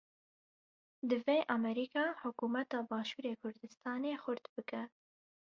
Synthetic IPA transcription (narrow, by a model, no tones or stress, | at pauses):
d̪ɨveːʔɑmɛɾiːkɑːħʊkuːmɛt̪ɑːbɑːʃuːɾeːkʰʊɾd̪ɨst̪ɑːneːxʊɾt̪bɨkɛ